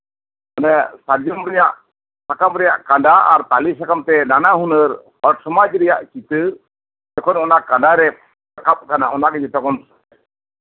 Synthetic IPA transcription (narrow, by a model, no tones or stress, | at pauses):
ɔnɛsad͡ʒɔmɾɛɲaʔ | sakamɾɛjaʔkaɳɖaa̰ɾt̪alisakamt̪ɛnanaɦunəɾpɔʈsɔmad͡ʒɾɛjaʔkit̪ə | d͡ʒɛkʰɔnɔnaʔkaɳɖaɾɛ | akap̚kanaɔnaɡɛd͡ʒɛt̪ɔkɔns